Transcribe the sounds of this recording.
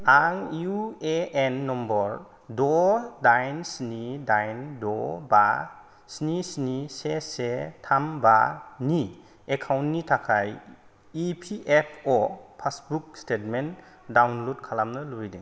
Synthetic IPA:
aŋueenːɔmbɔɾ | dɔdajnsnidajndɔba | snisnisesetʰambani | ekʰawntːitʰakʰaj | ipʰiʔepʰɔpʰasbuk̚stet̚men | dawnlodkʰalamnɯluidiŋ

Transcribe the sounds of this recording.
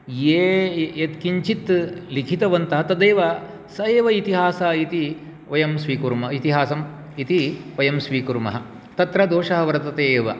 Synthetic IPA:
jeːjet̪kiɲt͡ʃit̪likʰit̪ɐʋɐnt̪ɐɦɐt̪ɐd̪eːʋɐ | sɐeːʋɐit̪iɦaːsɐːit̪i | ʋɐjɐmsʋiːkuɾmɐit̪iɦaːsɐm | it̪iʋɐjɐmsʋiːkuɾmɐ̰ɦɐ | t̪ɐt̪ɾɐd̪oːʂɐɦɐʋɐɾɐt̪ɐt̪eːʋɐ̰

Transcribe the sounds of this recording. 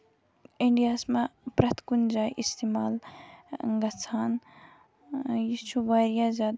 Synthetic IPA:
iɳɖijaːsmapɾɐt̪kund͡ʒaːʔist̪imaːl | ŋɡɐt͡sʰaːn | jit͡ʃʰuʋaːɾjazʲaːd̪

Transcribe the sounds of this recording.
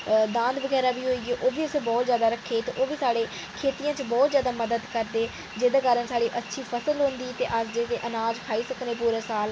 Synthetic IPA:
d̪ãːnd̪ʋəɡɛːɾaːbiːɦoːiːɡeːʔoːʋiːʊsẽːbɔːt̪zjaːd̪aːɾəkʰːeːt̪ːʔoːʋiːsaːɽeː | kʰeːt̪ijãːt͡ʃbɔːt̪zjaːd̪aːməd̪əd̪kəɾd̪eː | d͡ʒeːd̪eːkaːɾənsaːɽiːʔətːʃʰiːpʰəsəlɦõːnd̪iːt̪ḛːʔəsd͡ʒeːt̪eːʔənaːd͡ʒkʰaːiːsəkneːpuːɾeːsaːl

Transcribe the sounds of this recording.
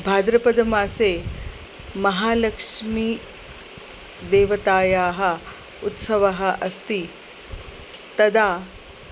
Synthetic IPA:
bʱaːd̪ɾɐpɐd̪ɐmaːseː | mɐɦaːlɐkʂmi | d̪eːʋɐt̪aːjaːɦɐ̆ | ut̪sɐʋɐɦɐʔɐst̪i | t̪ɐd̪ʱaː

